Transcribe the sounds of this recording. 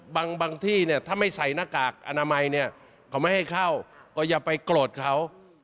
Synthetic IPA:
baː˧ŋbaː˧ŋt̪ʰiː˥˩ni˥˩ɐt̪ʰaː˥˩ma˥˩jsa˨˩jnaː˧˥˩kaː˨˩k̚ʔa˧naː˧ma˧jni˥˩ɐ | kʰa˦wma˥˩jha˥˩jkʰa˥˩wkɔː˥˩jaː˨˩pa˧jkloː˨˩t̪̚kʰa˦˥w

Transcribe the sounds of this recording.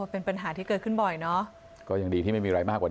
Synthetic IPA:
pe˧npa˧nɦaː˩˦t̪ʰiː˥˩kɤː˨˩t̚kʰɯ˥˩nbɔ˨˩jnɔ˦˥ | kɔː˥˩jaː˨˩ŋɗiː˧t̪ʰiː˥˩a˥˩jmiː˧ɾa˧jmaː˥˩kwaː˨˩

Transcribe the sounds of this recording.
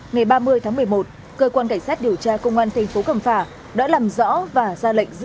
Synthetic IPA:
ŋa˨˩jɓaː˧mɨ˧əjt̪ʰaː˨˦ŋmɨ˨˩əjmo˨˩t̚ | kəː˧kwaː˧nka˧˩ŋ̟saː˦˥t̚ɗi˨˩əwt͡ɕaː˧kə˧wŋ͡mʔaː˧nt̪ʰɛ˨˩ŋ̟fo˨˦kə˧˩mfaː˧˩ | ɗa̰ː˧˥laː˨˩mzɔ̰˧˥vaː˨˩zaː˧lə̰˧˨jŋ̟z̰

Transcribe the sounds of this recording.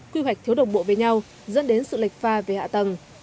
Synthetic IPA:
kwi˧wk̚t̪ʰi˨˦əwɗə˨˩wŋ͡mɓo̰˧˨veː˨˩˦jɲa˧w | zə̰˧˥nɗe˨˦nsɨ̰˧˨li˨˩k̟̚faː˧ve˨˩ha̰ː˧˨t̪ə˨˩ŋ

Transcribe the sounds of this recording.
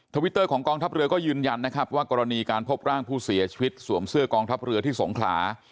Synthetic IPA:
t̪ʰa˧wi˦˥t̪ːɤː˥˩kʰɔː˩˦ŋkɔː˧ŋt̪ʰa˦˥p̚ɾɯ˧ɐkɔː˥˩jɯː˧nja˧nːa˦˥kʰɾa˦˥p̚waː˥˩kɔː˧ɾa˧niː˧kaː˧npʰo˦˥p̚ɾaː˥˩ŋpʰuː˥˩si˩˦ɐt͡ɕʰi˧wi˦˥t̪̚su˩˦əmsɯ˥˩ɐkɔː˧ŋt̪ʰa˦˥p̚ɾɯ˧ət̪ʰiː˥˩so˩˦ŋkʰla̰ː˩˦

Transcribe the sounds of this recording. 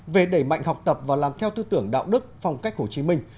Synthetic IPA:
ve˨˩ɗe˧˩jma̰˧˨jŋ̟ɦɔ˨˩wk͡p̚t̪ə˨˩p̚vaː˨˩laː˨˩mt̪ʰɛ˧wt̪ɨ˧t̪ɨ˧˩əŋɗa̰ː˧˨wɗɨ˦˥k̚fa˧wŋ͡mka˦˥jk̚ho˧˩t͡ɕi˨˦mï˧ŋ̟

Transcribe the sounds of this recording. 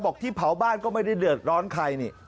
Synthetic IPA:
bɔː˨˩k̚t̪ʰiː˥˩pʰa˩˦wbaː˥˩nkɔː˥˩ma˥˩jda˥˩jdɯ˨˩ət̪̚ɾɔː˦˥nkʰa˧jniː˧˩

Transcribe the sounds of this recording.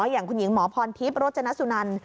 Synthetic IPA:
jaː˨˩ŋkʰu˧nji˩˦ŋmɔː˩˦pʰɔː˧np̪ʰi˦˥p̚ɾoː˥˩t̪̚t͡ɕa˧na˦˥su˨˧˩na˧n

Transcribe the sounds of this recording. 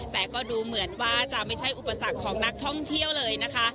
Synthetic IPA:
t̪ɛː˨˩kɔː˥˩duː˧mɯ˩˦ənwaː˥˩t͡ɕa˨˩ma˥˩jt͡ɕʰa˥˩jʔu˨˩pːa˧sa˨˩kʰːɔː˩˦ŋna˦˥k̚t̪ʰɔ˥˩ŋt̪ʰi˥˩əwlɤː˧jna˦˥kʰa˦˥ʔ

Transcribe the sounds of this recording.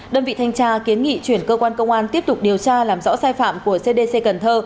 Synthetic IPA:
ɗəː˧nvḭ˧˨t̪ʰa˧jŋt͡ɕaː˧ki˨˦ənŋḭ˧˨t͡ɕwi˧˩ənkəː˧kwaː˧nkə˧wŋ͡mʔaː˧nt̪i˦˥əp̚t̪ʊ˨˩k͡p̚ɗi˨˩əwt͡ɕaː˧laː˨˩mzɔ̰˧˥saː˧jfa̰ː˧˨mku˧˩əse˧ɗe˧se˧kə˨˩nt̪ʰəː˧

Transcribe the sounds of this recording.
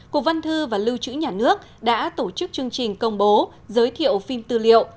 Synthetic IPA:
ku˨˩ək̚və˧nt̪ʰɨ˧vaː˨˩lɨ˧wt͡ɕɨ̰˧˥ɲaː˨˩nɨ˦˥ək̚ | ɗa̰ː˧˥t̪o˧˩t͡ɕɨ˦˥k̚t͡ɕɨ˧əŋt͡ɕï˨˩ŋ̟kə˧wŋ͡mɓo˨˦ | zəː˨˦jt̪ʰḭ˧˨əwfi˧mt̪ɨ˧lḭ˧˨ə̰˨w

